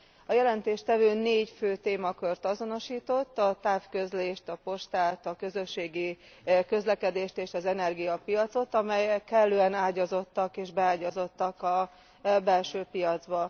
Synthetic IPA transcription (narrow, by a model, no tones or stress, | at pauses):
ɒjɛlɛnt̪eːʃt̪ɛvøːneːɟføːt̪eːmɒkørt̪ɒzo̞no̞ʃiːt̪o̞t̪ːɒt̪aːfkøzleːʃt̪ɒpo̞ʃt̪aːlt̪ɒkø̞zøʃːeːɡi | kø̞zlɛkɛd̪eːʃt̪eːʃɒzɛnɛrɡijɒpijɒt̪so̞t̪ɒmɛjɛkːɛlːøːɛnaːɟɒzo̞t̪ːɒkeːʒbɛaːɟɒzo̞t̪ːɒkɒ | bɛlʃøːpijɒd̪zbɒ